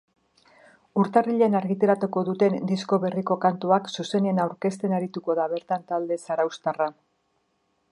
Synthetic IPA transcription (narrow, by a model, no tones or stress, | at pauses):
uɾt̪ariʎe̞naɾɣit̪e̞ɾat̪uko̞ðut̪e̞nd̪isko̞βe̞riko̞kant̪uaksuse̞neenawɾke̞st̪e̞naɾit̪uko̞ðaβe̞ɾt̪ant̪ald̪e̞saɾawst̪ara